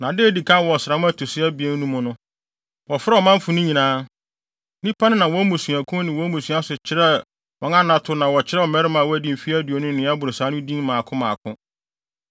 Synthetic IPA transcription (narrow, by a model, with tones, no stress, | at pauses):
nã˨dɪ˦e˦di˨kʰã˦wɔ˨sɾa˨˦ʊ̃˦æ˦tʰo˨sɪ˦æ˦bi˨e˦n˦nũ˦mʊ̃˨nʊ̃˦ | wɔ˨fɾɛ˦ɔ˨mã˦m̩˦fʊ̃˨nʊ̃˦ɲĩ˨nãː˦ | nĩ˦pʰa˦nɪ̃˦nã˨wɔ˦mũ˨sũ˨æ˨kʰʊ̃˦nɪ̃˨wɔ˦mũ˨su˨˦a˦sʊ˨t͡ɕʰɪ˨ɾɛ˦ | wɔ̃˨˦ŋã˦nã˨tʰʊ˦nã˨wɔ˨t͡ɕʰɪ˦ɾɛ˦ɔ˨mɛ˦ɾɪ˦mã˨wɔ˦æ˦dĩ˨m̩˨fi˦æ˦du˨o˨nʊ̃˦nɪ̃˨˦a˦bʊ˨ɾo˨sa˨˦nʊ̃˦dĩ˦m˦mãː˨kʰʊ̃˦mã˨kʰʊ̃˦